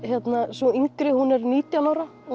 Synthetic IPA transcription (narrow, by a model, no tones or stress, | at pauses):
çɛt̪nasvɔiŋkɾɪhunɛɾniːt̪janaːwɾaɔ